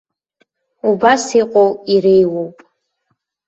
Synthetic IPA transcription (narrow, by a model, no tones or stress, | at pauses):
ubasiqʷʼowiɾejwowpʼ